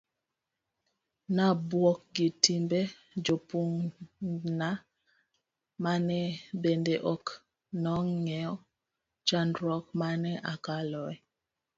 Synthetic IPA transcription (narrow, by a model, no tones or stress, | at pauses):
nabwɔk̚ɡitimbe | d͡ʒopuŋ | na | manɛbendeʔɔk | nɔŋŋɛɔ | t͡ʃandɾɔk̚manɛʔakalɔɛ